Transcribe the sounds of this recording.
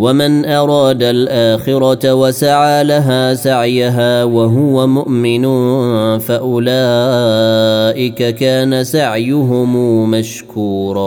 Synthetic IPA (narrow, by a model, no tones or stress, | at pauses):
wamɪnʔɑɾˤɑːd̪alʔaːxɪɾɑtawasaʕaːlaɦaːsaʕjaɦaːwaɦʊwamʊʔmɪnʊnfaʔʊlaː | ʔɪkakaːnasaʕjʊɦʊmmaʃ | kuːɾˤɑ